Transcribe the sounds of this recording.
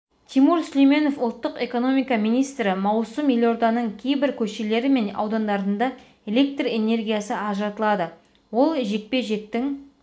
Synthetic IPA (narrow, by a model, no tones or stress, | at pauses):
t̪ʰimuɾsʏlejme̞no̞fʊlˠt̪ːəqe̞ko̞no̞mijkɑmijnijst̪ɾɪmɑwsəmilʲo̞ɾd̪ɑnəɴkʲʰe̞jbɪɾkʲʰɵʃe̞le̞ɾɪme̞nɑ̰wd̪ɑnd̪ɑɾənd̪ɑ | e̞le̞k̚t̪re̞ne̞rɡʲijasəɑʒəɾɑt̪əlˠɑd̪ə | wo̞lˠʒe̞k̚pe̞ʒe̞k̚t̪ɪŋ